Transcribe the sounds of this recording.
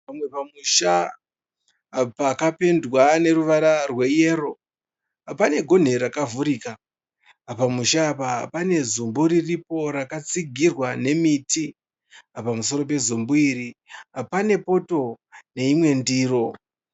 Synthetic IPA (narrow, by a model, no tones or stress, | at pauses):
pamwe̞pamuʃa | pakape̞ndwane̞ɾuʋaɾarwe̞je̞ːɾo̞ | pane̞ɡʱo̞n̤e̞ɾakavuɾika | pamuʃaːpapane̞zumbuɾiripo̞ɾakat͡siɡʱirwane̞miti | apamuso̞ɾo̞p̬e̞zumbuiɾiapane̞po̞to̞ | ne̞imwe̞ndiːɾo̞